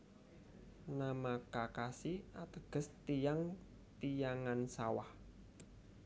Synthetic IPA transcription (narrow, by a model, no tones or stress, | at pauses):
namakakasiat̪əɡ̥ə̤st̪ijaŋ | t̪ijaŋansawah